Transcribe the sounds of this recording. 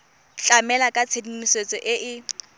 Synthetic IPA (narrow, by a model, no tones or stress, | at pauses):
t͡ɬʼamɛlakʼat͡sʰedimiswet͡sʼɔʔɪʔɪ